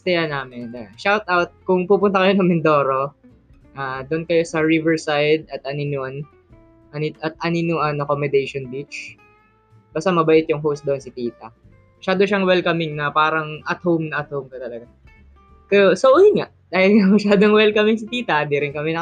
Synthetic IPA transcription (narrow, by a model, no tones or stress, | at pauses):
st̪ɐjɐnaːmɛnaʃawt̪ʔawt̪̚kʊŋpuːpʊnt̪ɐkɐjo̞nɐŋmɪnd̪o̞ːɾo̞ | ʔaːd̪ʊnkɐjo̞sɐɹivɛɹsajd̪̚ɐt̪ɐnɪnon | ʔɐnɪʔɐt̪̚ɐninʊʔɐnɐkomɛd̪ɛjʃonbit͡ʃ | b̥aːst̪ɐmɐbɐʔɪt̪jʊŋɦowst̪d̪oʔonsɪt̪iːt̪ɐ | mɐʃaːd̪oʃaŋwɛlkɐmɪŋnɐpaːɾɐŋʔɐt̪howmnɐʔɐt̪̚howmkɐt̪ɐlɐɡa | kɐjosoʔoŋaʔd̪aːhɪlamɐʃaːd̪oŋwɛlkɐmɪŋsɪt̪iːt̪ɐd̪iɾɪnkɐmɛnɐ